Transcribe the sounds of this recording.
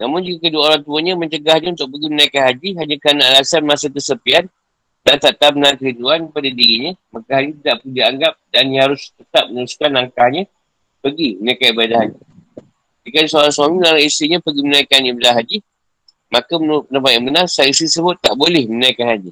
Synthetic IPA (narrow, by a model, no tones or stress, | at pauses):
namʊnd͡ʒikakəduwaoɾaŋt̪uəɲəmə̃ɲt͡ʃəɡahɲãunt̪ʊk̚pəɡimənaikanɦad͡ʒiɦaɲakanaalasanmasək̪əsəpian | dant̪aʔt̪amənaŋkəiduankəpadadiɾiɲəmakaɦaɲit̪idaʔpud͡ʒaaŋɡap̚danɦaɾʊst̪ət̪ap̚mənəɾuskanlaŋkahɲə | pəɡimənakanibadaɦad͡ʒi | d͡ʒikadisoɾaŋswamilalaisiɲapəɡimənaikanibadaɦad͡ʒi | makəməpənapajanbənarsaisisəbʊt̪ːaʔbolɛhmənaikanhad͡ʒi